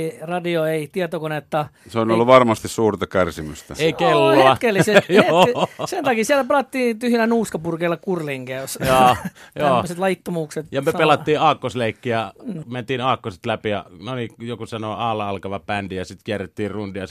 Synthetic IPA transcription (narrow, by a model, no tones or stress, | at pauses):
rɑdioeit̪iɑt̪okonet̪ːɑseonolːuʋɑrmɑst̪issuːrt̪ɑkærsimyst̪æ̰eˑikelːoeɑkːeːlːisesjoeːsent̪ɑkisielæpelɑt̪ːiːt̪yhjelænuːskɑpurkeilːɑkurliŋkæysjoːjoːmoset̪lɑit̪ːomuːkset̪jɑmyøpelɑt̪ːiːɑːkːosleˑikːijɑment̪iːnɑːkːoset̪læpijɑ̰nonijokusɑnoːɑˑːlːɑɑlkɑʋɑpændijɑsit̪kiæret̪ːiːrrundiɑ